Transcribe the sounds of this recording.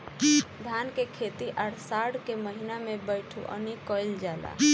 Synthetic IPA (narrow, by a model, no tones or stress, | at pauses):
d̪ʱaːnkekʰet̪iʔaɽsaɽkeməɦinamẽbəɪʈʰṵʔə̰nikɔild͡ʒaːla̰